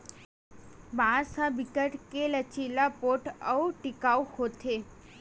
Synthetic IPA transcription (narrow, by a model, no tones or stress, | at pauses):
baɾsabikəʈkelət͡ʃilapoʈəuʈikauhot̪ʰe